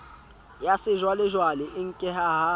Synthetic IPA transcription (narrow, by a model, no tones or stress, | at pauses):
jasɪʒwalɪʒwalɪʔɪŋ̩kʼɪɦaɦa